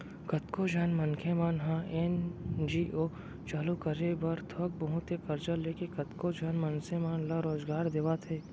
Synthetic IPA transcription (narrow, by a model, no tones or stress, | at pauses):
kɐt̪kod͡ʒaːnmɐnkʰemaːnɦãʔɛnd͡ʒiːʔoː | t͡ʃaːlukəɾebɐɾt̪ʰɔk̚bɐɦʊt̪ekɐɾd͡ʒəleːkekɐt̪kod͡ʒaːnmɐnsemaːnlaɾoːzɡaːɾd̪eːʋat̪ʰeː